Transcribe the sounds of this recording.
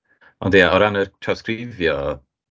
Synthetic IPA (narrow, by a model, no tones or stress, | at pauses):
ɔ̰ndijaɔɾanətʰrawskrɪvjɔ